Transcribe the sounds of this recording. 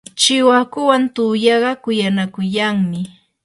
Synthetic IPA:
t͡ʃɪwakʊwant̪ujɑɢɑkʊjanakʊjaŋmɪ

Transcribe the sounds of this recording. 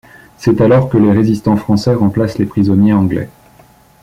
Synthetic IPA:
sɛt̪alɔʁkəleʁezist̪ɑ̃fχɑ̃sɛʁɑ̃plaslepχizɔnjeɑ̃ɡlɛ̰

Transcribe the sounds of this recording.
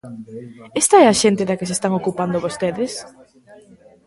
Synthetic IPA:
ɛst̪ɐɛɐʃent̪ɪðɐkɪsest̪aŋokupand̪oβost̪eðɪs

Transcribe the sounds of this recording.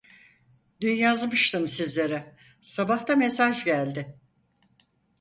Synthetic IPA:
d̪ynjazmɯʃt̪ʰɯmsizlʲe̞ɾɛ | sabaht̪ʰamesaʒɟælʲd̪ɪ

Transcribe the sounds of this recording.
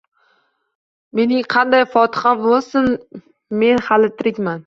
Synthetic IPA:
me̞nɪŋqʰɑnd̪ajfɒt̪ʰɪ̥χabolˠsɪn | me̞nhalɪt̪ʰɪɾɪkʲman

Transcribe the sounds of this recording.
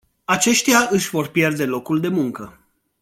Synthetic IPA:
at͡ʃe̞ʃt̪eaʔɨʃʲvo̞rpje̞rd̪e̞lo̞kuld̪e̞muŋkə

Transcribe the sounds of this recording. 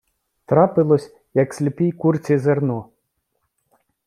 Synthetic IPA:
t̪ɾɑpɪlˠɔsʲ | jɐksʲlʲɪpijkurt͡sʲizernɔ

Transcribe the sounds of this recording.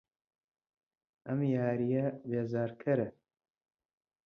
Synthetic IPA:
ʔɐmjaːɾijɐbeːzaːɾkʰɐɾɐ

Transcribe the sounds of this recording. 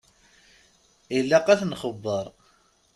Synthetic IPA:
ilːæqæθnχəbːəɾˤ

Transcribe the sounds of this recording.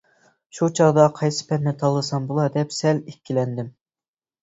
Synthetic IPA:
ʃut͡ʃʰɑʁd̪ɑqʰɑjsɨ̥pʰɛnːɪt̪ʰɑlˠːɨsɑmbulˠɑd̪ɛpsɛlekʲːilɛnd̪ɪm

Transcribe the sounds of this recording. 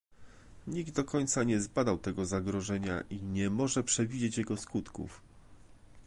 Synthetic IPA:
ɲiɡ̚d̪̚d̪ɔkɔɲt̪saɲɛzbad̪awt̪ɛɡɔzaɡɾɔʐɛɲa̰ʔiɲɛmɔʐɛpʂɛvʲid͡ʑet͡ɕjɛɡɔskut̪kṵf

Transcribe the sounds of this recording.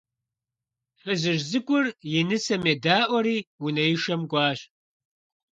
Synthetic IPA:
ħʷɨzɨʒzɨkʷʼʊrjɪnɨsɐmedaːʔʷɐɾiːwunɐjɪʃɐmɡʷɑːɕ

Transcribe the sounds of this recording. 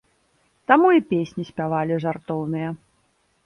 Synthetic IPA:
t̪amuipʲesʲnʲisʲpʲavalʲiʐart̪ɔwnɨjɐ

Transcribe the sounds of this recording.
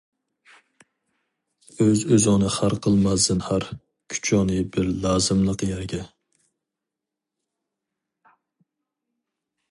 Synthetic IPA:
øzøzɨŋnɨχæɾqʰəlˠmɛzd̪ɨnhæɾ | kʲʰy̥t͡ʃʰɑnɨbɪɾlɑːzɨmlˠəqjɛɾɡʲɛ

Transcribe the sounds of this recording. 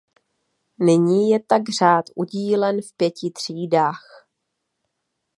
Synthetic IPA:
nɪɲiːjɛt̪aɡr̝aːt̪ʔuɟiːlɛnfpjɛcɪt̪r̝̥iːdaːx

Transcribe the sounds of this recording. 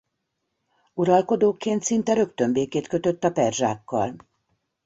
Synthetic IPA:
uɾɒlko̞d̪oːkːeːnt̪sint̪ɛɾø̞kt̪ø̞mbeːkeːt̪kø̞t̪ø̞t̪ːɒpɛrʒa̰ːkːɒ̰l

